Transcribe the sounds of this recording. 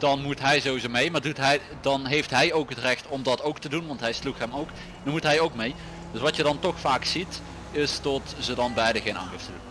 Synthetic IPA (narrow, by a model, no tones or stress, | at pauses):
d̥ɑnmutɦɛjzowizomejmaːɹdutɦɛj | dɑnɦejftɦɛjowkɦətrɛxtɔmdɑtowktədunʋɑntɦɛjsluxɦɛmowk | ɑmutɦɛjowkmej | d̥ɵsʋɑtjədɑntɔxfaːksit | ɪstɔtz̥ədɑnbɛjdəɣejna̰ːnɪftədun